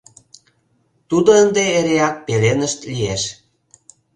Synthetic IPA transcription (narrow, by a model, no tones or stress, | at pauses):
t̪ud̪oənd̪eːɾeɑk̚pelenəʃt̪lijeʃ